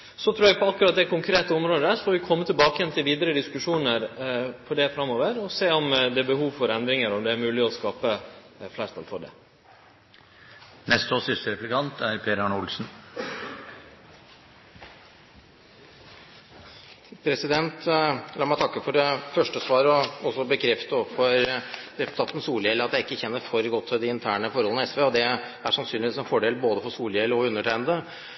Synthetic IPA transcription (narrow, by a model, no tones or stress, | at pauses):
sɔt̪ʰɾʉːɾɛɡpʰɔɑkːʉɾɑt̪̚d̪ɛkʊŋkʰɾeːt̪əʊmɾoːd̪əd̪æʂɔfɔʋɪkʰɔmːət̪ʰɪlbɑːkəjɛnt̪ʰɪlʋiːd̪əɾəd̪ɪskʉʂuːnəɾfɔɖɛfɾɑmːoːʋəɾɔseːɔmd̪ɛæbəɦuːʋfɔɾɛnd̪ɾɪŋəɾɔmd̪ɛæɾmʉːlɪɔskɑːpə | flæːst̪ɑ̰lfɔɖɛ̰ | nɛst̪oːsʏst̪əɾɛplɪkʰɑnt̪ʰæɾpʰeːɾɑɳʊlsn̩ | pʰɾɛsɪd̪ɛnt̪lɑːɾmæɪt̪ʰɑkːəfɔɖɛfœʂʈəsʋɑːɾəɔɔsːɔbəkʰɾɛft̪əɔfɔɾɾɛpʊ̥t̪ʰɑːt̪n̩suːljɛləɑt̪d̪æɪɪkːəçɛnːəɾfɔɾɡɔt̪ʰːɪd̪ɪɪnt̪ʰæːɳəfɔɾhɔlənəɛsʋeːɔd̪ɛ | æʂɑnsyːnlɪʋiːsɛnfɔɖeːlboːd̪əfɔsuːljɛlːəɔʉnːəʈʰæɪnd̪ə